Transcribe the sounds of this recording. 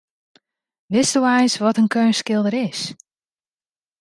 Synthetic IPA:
ʋɪstuɛjsʋɔtənkʰøːnskɪlˠdəɾɪs

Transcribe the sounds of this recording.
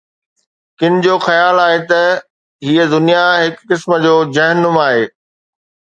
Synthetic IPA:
kɪnɪ̆d͡ʑoːxɐjaːlaːɦet̪ɐ | ɦiːəd̪ʊnijaɦɪkːɪsmə̆d͡ʑoːd͡ʑɐɦnʊmaːɦeː

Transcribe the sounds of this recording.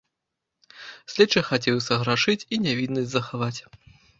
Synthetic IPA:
sʲlʲɛt͡ʂːɐxat͡sʲɛwsʲɐɣɾaʂɨt͡sʲinʲavʲid̪nɐsʲzɐxavat͡sʲ

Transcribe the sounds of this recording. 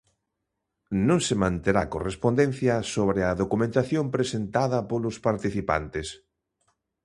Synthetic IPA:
nõŋsemãnt̪eɾa̰korespond̪ẽn̟θjɐsoβɾeɐðokumẽnt̪aθjompɾesent̪aðɐpolʊspaɾt̪iθipa̰nt̪ɪs

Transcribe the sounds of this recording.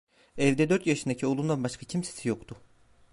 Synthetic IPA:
ɛvd̪ɛd̪ø̞ɾt̪jaʃɯnd̪acʰio̞lˠund̪anbaʃkʰacʰimse̥sijo̞kt̪ʰʊ

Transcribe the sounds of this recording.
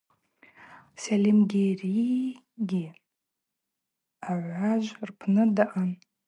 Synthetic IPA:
salimɡʲeri | ɡʲi | aʕʷaʒʷrpʰnɨdaʔan

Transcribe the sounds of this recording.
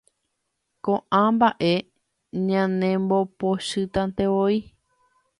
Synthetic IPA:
kõʔãmbaʔe̞ | ɲãnẽmbopoʃɨt̪ãnt̪eʋoi

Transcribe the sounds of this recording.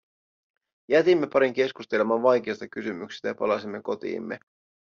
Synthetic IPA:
jæt̪imːe̞pɑɾiŋk̟e̞skust̪e̞le̞mɑnʋɑjk̟e̞ːst̪ɑkysymyksi̥st̪æjɑpɑ̰lɑsimːe̞ko̞t̪ḭːmːe̞̰

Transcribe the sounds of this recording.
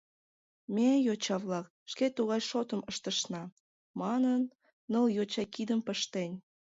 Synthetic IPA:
mejot͡ɕɑβlɑk̚ | ʃket̪uɣɑjʃot̪əməʃt̪əʃnɑ | mɑnənː | əljot͡ɕɑjkid̪əmpəʃt̪enʲ

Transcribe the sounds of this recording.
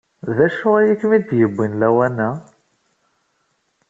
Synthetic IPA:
ðæʃʊʁæjəkmid̪jəbʷːinlæwænæ

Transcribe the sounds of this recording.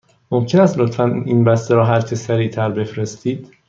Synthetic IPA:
momcʰe̞næst̪lot̪fæninbæst̪eɾɒːɦæɾt͡ʃʰesæɾiːt̪ʰæɾbe̞fɾe̞st̪iːd̪̥

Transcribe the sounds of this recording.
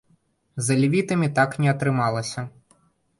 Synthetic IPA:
zɐlʲivʲit̪ɐmʲit̪aknʲɛɐt̪ɾɨmalˠɐsʲɐ

